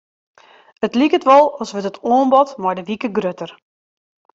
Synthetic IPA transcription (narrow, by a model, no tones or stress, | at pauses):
ətlikətʋɔlˠɔsʋətətʰoːnbɔtmɔjdəʋikəɡrøtər